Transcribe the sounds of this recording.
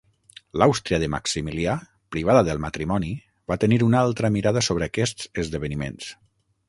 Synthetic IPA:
lawst̪ɾiəðəma̰ksimilia | pɾiβ̞aðəðəlˠmat̪ɾimɔni | βat̪əniɾunalˠt̪ɾəmiɾaðəsoβɾəːkɛst͡səzðəβənimḛns

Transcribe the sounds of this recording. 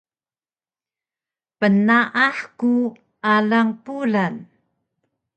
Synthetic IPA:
pənaʔaħku | alaŋpulan

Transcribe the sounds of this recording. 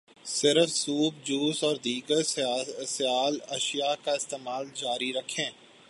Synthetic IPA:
sɪɾəfsuːbd͡ʒuːsɔːɾd̪iːɡəɾsɪjaːlɐʃijakaɪst̪eːmaːld͡ʒaːɾiɾɐkʰːẽː

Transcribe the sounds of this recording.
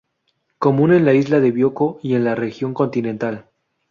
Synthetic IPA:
ko̞mũne̞nlaizlaðe̞βjo̞ko̞ie̞nlare̞xjo̞ŋko̞nt̪ine̞nt̪al

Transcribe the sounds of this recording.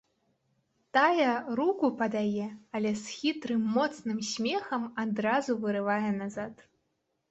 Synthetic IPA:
t̪ajɐɾukupɐd̪ajɛɐlʲɛsxʲit̪ɾɨmːɔt̪snɨmsʲmʲɛxɐmad̪ɾazuvɨɾɨvajɛnazat̪

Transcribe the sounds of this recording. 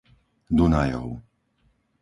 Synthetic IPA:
d̪unajɔ̰ʊ

